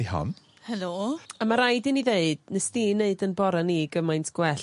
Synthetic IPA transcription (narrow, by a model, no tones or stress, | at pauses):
ihɔ̰n | hɛloamaɾajdɨniðeɨd̥nɛstiːnːeɨdənbɔɾaniɡəmajntʰɡ̥wɛɬ